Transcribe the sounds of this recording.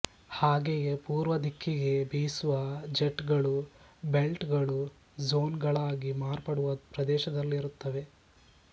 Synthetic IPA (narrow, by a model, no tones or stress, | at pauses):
haːɡejepuːɾʋɐd̪ikʰːiɡe̞biːsuʋɐd͡ʒeʈɡɐɭu | be̞lʈɡɐɭu | zoːnɡɐɭaːɡimaːɾpɐɽuʋɐpɾɐd̪ɛːʃɐd̪ɐlːiːɾut̪ːɐʋe̞